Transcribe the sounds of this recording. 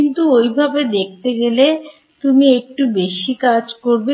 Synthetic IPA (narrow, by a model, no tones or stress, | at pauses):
int̪uojbʱabed̪ek̚t̪eɡele | t̪umiek̚ʈubeʃikad͡ʑkoɾbe